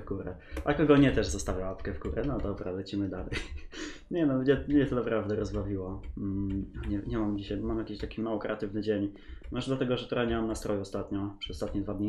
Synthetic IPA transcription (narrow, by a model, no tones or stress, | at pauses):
ɡuɾɛ̰ | ʔakɔɡɔɲɛt̪ɛʐzɔst̪avʲjaapkɛvɡuɾɛnɔd̪ɔbɾa̰vɛt͡ɕimɘd̪alɛjɲɛnɔɲɛɲɛt̪ɔnapɾavd̪ɛɾɔzbavʲiwɔ | ɲɛɲɛmamd͡ʑiɕajmamjakʲeɕt̪akʲimawɔkɾɛat̪ɘvnɘd͡ʑeɲmɔʐɛd̪lat̪ɛɡɔʐɛt̪ɔɾaɲɛmamnast̪ɾʔɔjɛɔst̪at̪ɲɔpʂɛzɔst̪at̪ɲɛd̪vad̪ɲi